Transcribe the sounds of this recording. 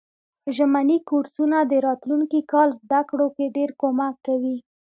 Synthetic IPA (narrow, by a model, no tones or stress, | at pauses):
ʒamanikuɾsunad̪əɾɑt̪luŋkikɑlzd̪akɽokeɖeɾkomakːawi